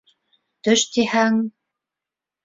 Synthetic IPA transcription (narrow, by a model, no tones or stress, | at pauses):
t̪ɵ̆ʃt̪ehæŋ